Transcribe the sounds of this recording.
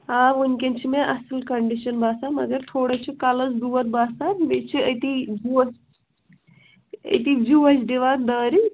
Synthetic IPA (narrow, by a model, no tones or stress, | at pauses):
aʋunkʲent͡ʃʰimeʔɐsilkɐɳɖiʃɐnbaːsamɐɡəɾt̪ʰoːɽət͡ʃʰikalɐsɖuʋɐt̪̚baːsat̪met͡ʃʰiɐt̪id͡ʒus | ə̰t̪id͡ʒuəsɖ̪iʋat̪̚d̪əːɾi